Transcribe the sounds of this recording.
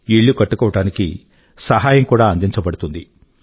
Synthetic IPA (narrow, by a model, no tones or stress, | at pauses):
iɭːukɐʈːukɔːʋɐʈaːniki | sɐɦaːjɐmkuːɽaːɐnd̪iɲt͡ʃɐbɐɽut̪und̪i